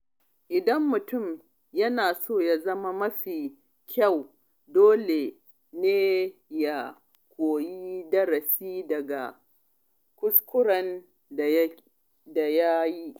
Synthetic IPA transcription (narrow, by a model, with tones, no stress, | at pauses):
ʔɪ˨dɐ˦mːʊ˨tʊ˦˨m | jɐ˦naː˨soː˦˨ja˦zɐ˦ma˦mɐ˦ɸiː˨ | kʲɐ˦˨w | doː˦le˨ | neː˦ja˨ | kʷoː˨ji˦dɐ˦ɾɐ˨siː˦dɐ˨ɡa̰˨ | kʷʊ˦skʷʊ˦ɽɐ˨n˨ | da˨ja˦ji˦ʔ